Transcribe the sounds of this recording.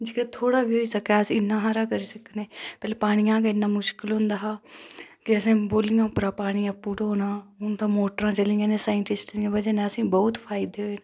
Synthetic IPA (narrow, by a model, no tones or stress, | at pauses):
d͡ʒɪket̪ʰoːɽaːbiːɦoːiːsəkːsɪnːãːɦaːɾaːkəɾiːsəkneːpɛːleːpaːɽ̃ɪjãːkaɪnːaːmʊʃkɪlɦʊ̃nd̪aːɦaːkɪəsẽːboːlɪjãːpɾaːpaːɽ̃ijãːpuːʈːɦoːnãːʊnt̪ãːmoːʈɾãːt͡ʃəlĩãːnẽːsaːɪɳʈɪsʈiãːbəd͡ʒeːnãːəsĩːbɔʊt̪pʰaːɪd̪eɦoeːne